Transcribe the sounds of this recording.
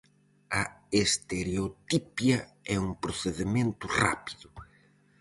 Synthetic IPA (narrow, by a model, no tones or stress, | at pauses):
ɐest̪eɾeot̪ipjɐ | ɛuŋpɾoθeðemẽnt̪ʊra̰pi̥ðʊ